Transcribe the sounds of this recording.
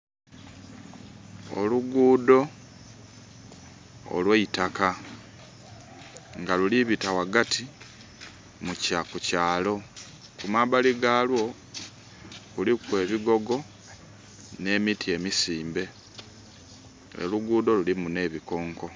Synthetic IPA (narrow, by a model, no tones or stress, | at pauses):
o̰luɡuːdo̞ | lweitaka | ŋɡaluliβitawaɡati | mucakucaːlo̞ | kumabaliɡaːlwo̞ | kulikwe̞ːβiɡo̞ɡo̞ | ne̞ːmitie̞misiːmbe̞ | ḛluɡuːdo̞lulimune̞βiko̞ːŋko̞